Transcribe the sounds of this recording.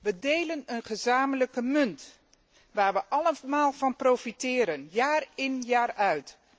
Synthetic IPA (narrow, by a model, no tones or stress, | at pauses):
ʋədejlənənχəzaːmələkəmɵnt | ʋaːɹʋəʔɑləmaːlˠvɑnprowfitɪːɾənjaːrɪnjaːrœɥt